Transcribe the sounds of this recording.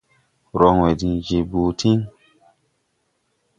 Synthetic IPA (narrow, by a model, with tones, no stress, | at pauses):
ɾɔ˧ŋwe˨dĩ˧d͡ʒe˧bu˧tʰĩ˦ŋ